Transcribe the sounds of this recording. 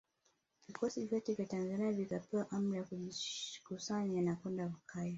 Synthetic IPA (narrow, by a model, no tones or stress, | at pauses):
vikɔsiviativjatanzaniavikapɛaʔam̩ɾijakuʄikusaɲanakwɛndaukaja